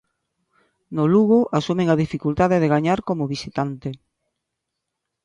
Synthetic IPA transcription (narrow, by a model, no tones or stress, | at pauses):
noluɣ̞oʔasumẽŋaðifikult̪aðeðeɣaɲaɾkomoβisit̪ant̪e